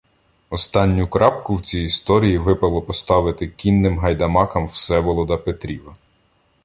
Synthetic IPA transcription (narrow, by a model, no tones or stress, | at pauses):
ɔst̪ɑnʲːʊkɾɑpkʊwt͡sʲijist̪ɔɾʲijiʋɪpɐlˠɔpɔst̪ɑʋɪt̪ɪkʲinːɪmɦɐjd̪ɐmɑkɐmwsɛʋɔlˠɔd̪ɐpet̪ɾʲiʋɐ